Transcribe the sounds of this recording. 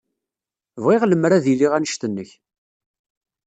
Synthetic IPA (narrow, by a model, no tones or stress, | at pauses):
vʁeʁləmɾæðiliʁænəʃt̪ənːəç